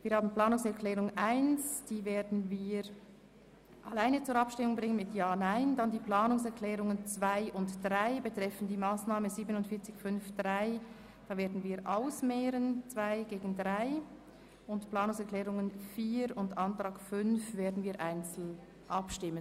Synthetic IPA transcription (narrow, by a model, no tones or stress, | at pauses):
viːɐɾhaːbn̩plaːnʊŋsɛʁkʰlɛːʁʊŋʔaɪnsd̥iːveːɐdn̩viː | ʔalaɪnət͡sʊːɾɑpʃtɪmʊŋbʁɪŋənmɪtjaːnaɪndɑndiːplaːnʊŋsɛʁkʰlɛːʁʊŋənt͡sv̥aɪʔʊntd̥ʁaɪbətʁ̥ɛfən̩diːmaːsnaːmənziːbənʊntfɪːɐt͡sɪçfʏnfd̥ʁaɪ | d̥ɑːveːɐdn̩viːɐɾʔaʊsmɛːɾənt͡sv̥aɪɡeːɡn̩dʁaɪ | ʔʊntplaːnʊŋsɛʁklɛːʁʊŋənfiːɾʊntʔɑntʁ̥aːkfʏnfveːɐdn̩viːɐɾʔaɪnt͡sl̩ | ʔɑpʃtɪmən